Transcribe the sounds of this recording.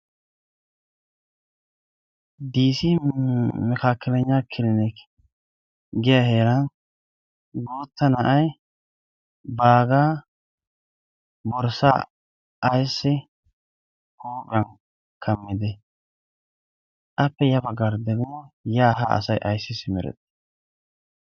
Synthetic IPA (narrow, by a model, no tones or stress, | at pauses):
d̪iːsi | mɛkakːɪlɛɲːakʰːɪlɪnɛk | ɡɪjɐheːɾɐn | ɡoːt̪ːɐnɐʔɐj | baːɡaː | bɔɾsaː | ʔɐjsːɪ | kʰoːkʼɐn | kʰɐmːɪd̪ɛ | ʔɐpːɛjɐbɐɡɐɾd̪ɛɡɪmɔjaːɦa̰ɐ̰sɐjʔɐjsːɪsɪmɛɾɛ̰t̪ːɛ̥